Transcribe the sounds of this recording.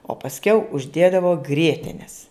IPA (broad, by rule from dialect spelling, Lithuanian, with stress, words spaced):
oː pɐsʲˈkʲɛʊ ʊʒʲˈdʲeːdɐʋoː ˈɡrʲiɛtʲɛnʲɛs